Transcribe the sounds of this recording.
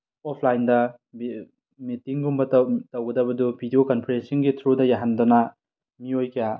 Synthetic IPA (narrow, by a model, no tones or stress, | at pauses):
ɔpʰlajndɐ | b | mitiŋɡumbɐttɐwɡɐdɐbɐdubʱidiokɐnpʰiɾesinɡitʰɾudɐjaɦandonɐ | miojkija